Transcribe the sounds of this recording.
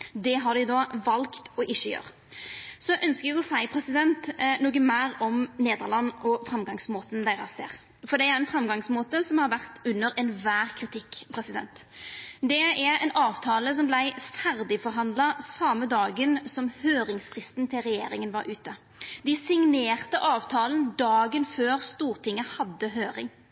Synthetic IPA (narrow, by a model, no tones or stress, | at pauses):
d̪ɛɦɑɾd̪ɪd̪ɔʋɑlkt̪ɔʔɪçəjø̰ːɾ | sɔʔœnskəɾɛɡɔsæɪpʰɾɛsɪd̪ɛnt̪noːɡəmæːɾɔmneːd̪əʁlɑnːʔɔfɾɑmɡɑŋsmoːt̪ənd̪æɪɾɑsd̪æ̰ːʁ | fɔɾd̪ɛæɾɛnfɾɑmɡɑŋsmoːt̪əsɔmhɑɾʋæʁt̪ʉnːəɾɛnʋæːʁkʰɾɪt̪ʰɪkːpʰɾɛsɪd̪ɛ̰nt̪d̪ɛæɾɛ̰nɑːʋt̪ʰɑːləs̬ɔmblæɪfæɾd̪ɪfɔɾɦɑnd̪lɑsɑməd̪ɑːɡənsɔmhøːɾɪŋsfʁɪst̪nt̪ʰɪlʁɛjḛːɾɪŋənʋɑɾʔʉːt̪ə | d̪ɪsɪŋneːʁt̪əʔɑːʋt̪ʰɑːlənd̪ɑːɡənføːɾst̪uːʁt̪ʰɪŋːəhɑd̪ːəɦøːɾɪŋ